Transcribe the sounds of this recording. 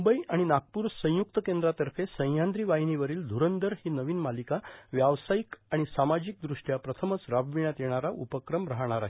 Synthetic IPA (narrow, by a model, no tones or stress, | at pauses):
umbəiʔaɽ̃inaɡ̚puːɾsə̃j̃juk̚t̪əkend̪ɾat̪əɾfesə̃j̃jand̪ɾiːʋaɦiniʋəɾiːld̪ʱuɾənd̪əɾhiːnəʋiːnmalikaʋjaʋsajikaɽ̃isamad͡ʑik̚d̪ɾuʂʈjapɾət̪ʰəmət͡sɾabʋiɳjat̪jeɽ̃aɾaʔupəkɾəmɾaɦɽ̃aɾaɦe